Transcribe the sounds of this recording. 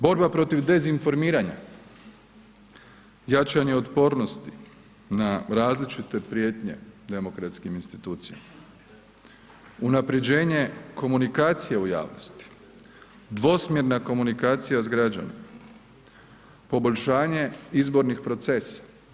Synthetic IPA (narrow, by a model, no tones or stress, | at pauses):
bo̞ɾbapɾo̞t̪iʋd̪e̞zinfo̞ɾmiːɾaɲa̰ | jat͡ʃaɲeot̪po̞ɾno̞st̪i | naɾaːzlit͡ʃit̪e̞pɾje̞ːt̪ɲe̞̰d̪e̞mo̞kɾat̪skiminst̪it̪uːt̪sija̰ma | unapɾe̞d͡ʑe̞ːɲe̞ko̞munikaːt̪sijeuja̰ːʋnost̪i̥ | d̪ʋo̞smjeɾnako̞munikaːt̪sijazɡɾad͡ʑa̰nḭma | po̞bo̞ʎʲʃaːɲe̞izbo̞ɾnixpɾo̞t̪se̞sḁ